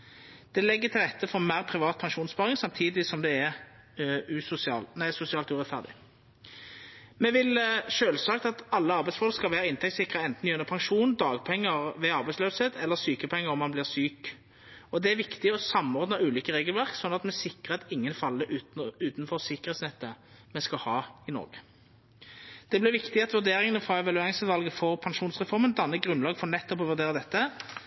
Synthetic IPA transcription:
d̪̥ɛlɛɡːəʁt̪ʰɪlʁɛt̪ʰːəfɔmæʁpʰʁɪʋɑːt̪̚pʰɑŋʂuːnspɑːʁɪŋsɑmt̪ʰiːd̪ɪsɔmd̪ɛɛʁ | ʉːsʊsɪɑ̰ːlnæɪsʊsɪɑːlt̪ʉːʁɛt̪fæ̰ʁd̪ɪ̰ | mɛʋɪlʃøːlsɑːkt̪ɑt̪ɑlːəɑʁbæɪtsfɔlkskɑlʋæːʁəɪnt̪ʰɛkt̪sɪkːʁəɛnt̪n̩jœnəpʰɑŋʃuːnd̪ɑːɡpʰɛŋːəʁʋɛɑʁbæɪsløːsheːt̪ʰɛlːəʁsyːkəpʰɛŋːəɾɔmːɑnblɪːʁsyːk | ɔd̪ɛæɾʋɪkt̪ɪɔsɑmːɔʁd̪nɑʉːliːkəʁeːɡəlʋæʁksɔnːɑt̪mɛsɪkːʁəɛt̪ɪŋːənfɑlːəʔʉʉːt̪n̩fɔʁsɪkːəʁeːt̪snɛt̪ːə | mɛskɑhɑːɪnɔ̰ːʁɡə | d̪̥ɛblɪʁʋɪkt̪ɪɑt̪ʋʉd̪eːʁɪŋənəfʁɑːɛʋɑlʉɑŋsʉt̪ʋɑlɡəfɔʁpʰɑnʂuːnsʁɛfɔʁmənd̪ɑnːəɡʁʉnlɑːɡfɔʁnɛt̪ːɔpɔʋʉʁd̪eːʁəd̪ɛt̪ːə

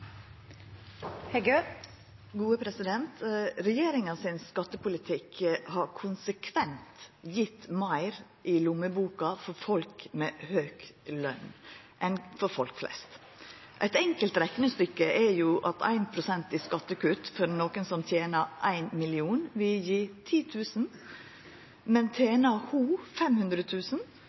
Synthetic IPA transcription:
hɛɡø | ɡuːəpʰɾɛsɪd̪ɛnt̪ɾɛjeːɾɪŋɑsɪnskɑt̪ːəpʰʊlɪt̪ʰɪkhɑɾkʰʊnsəkʰʋɛnt̪jɪt̪mæɪɾ | ʔɪlʊməbuːkɑfɔɾfɔlkmɛːhøːklœ̰n | ʔɛnfɔɾfɔlkflɛ̰st̪ | ʔæɪt̪ɛŋkəlt̪ɾɛknəst̪ʏkːəʔæɾjʊʔɑt̪ʰæ̰ɪnpʰɾʊsɛnt̪ɪskɑt̪ːəkʉt̪fɔɾnoːkənsɔmt̪ʰjeːnəʔæɪnmɪlɪuːnʋɪljiːt̪ʰiːt̪ʰʉːsn̩ | mɛnt̪ʰjeːnɑhuːfɛmhʉnd̪ɾət̪ʰʉːsn̩

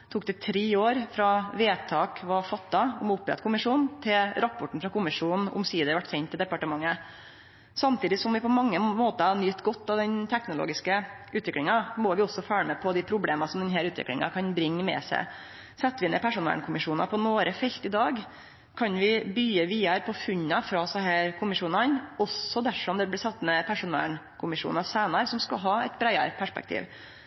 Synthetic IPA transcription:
t̪ʰuːk̚d̪ɛt̪ʰɾeːoːɾfɾɑʋeːt̪ʰɑːkʋɑfɑt̪ːɑʊmʊpːɾɛ̰t̪kʰʊmɪʂuːnn̩t̪ʰɪlɾɑpːɔʈɳ̩fɾɑkʰʊmɪʂuːnn̩ʊ̰msiːd̪əʋæʈːsɛnt̪ʰːɪld̪ɛpɑʈəmɑŋːə | sɑmt̪ʰiːd̪ɪsɔmʋɪpʰɔmɑŋːəmoːt̪əhɑnyːt̪ɡɔt̪ːɑʋd̪ɛnt̪ʰɛknʊlo̰ːɡɪskəʉːt̪ʋɪklɪŋɑmɔʋɪɔsːɔfɑːɭəmɛpʰɔd̪ɪpʰɾʊbleːmɑsɔmd̪ɛnɦæːɾʉːt̪ʋɪ̰klɪ̰ŋɑ̰kʰɑnbɾɪŋːəmɛ̰ːsæ̰ɪ | sɛt̪ːʋɪɛnɛpʰæʂʊnʋɛ̰lɳkʰʊmɪʂuːnɑ̰pʰɔnoːɾʔəfɛlt̪ɪd̪ɑːɡ | kʰɑnʋɪbyːəʋiːɑɾpʰɔfʉɲːɑfɾɑsɑɦæːɾkʰʊmɪʂuːnɑnɔsːɔd̪æfɔmd̪ɛblɪsɑt̪ːmɛpʰæʂʊnʋæ̰lɳ | kʰʊmɪʂṵːnɑsæːnɑɾsɔmskɑlɦɑːɛt̪bɾæɪɑɾpʰæʂpɛ̰kt̪ʰḭːʋ

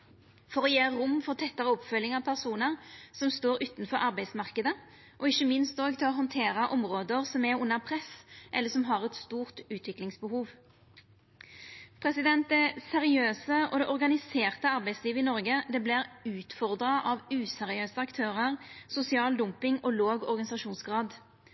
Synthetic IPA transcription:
fɔʁɔjeːʁʊmːfɔʁt̪ʰɛt̪ːəʁəɔpfœlːɪŋɑʋpʰæʁsuːnəʁsɔmst̪oːɾʉːt̪nfɔɾʔɑʁbæɪsmɑʁkəd̪ə | ʔɔɪçːəmɪnst̪oːɡt̪ʰɪlɔɦɔnt̪ʰeːɾɑʔɔmʁoːd̪əʁsɔmɛʁʊnːəʁpʰʁɛsʔɛlːəsɔmɦɑʁɛt̪st̪uːʁt̪ʉːt̪ʰʋɪklɪŋsbəhuːʋ | pʰʁɛsɪd̪ɛnt̪̚d̪ɛsɛʁɪøːsəʔɔd̪ɛʔɔʁɡɑnɪseːʁt̪əɑʁbæɪsliːʋəɪnɔʁɡəd̪ɛbliʁʉːt̪fɔʁd̪ʁɑʔɑʋʉːsɛʁɪøːsəɑkt̪ʰøːʁəʁsʊsɪɑːld̪ʊmpɪŋɔloːɡɔ̰ɾɡɑnɪsɑʃuːnsɡʁɑːd̪

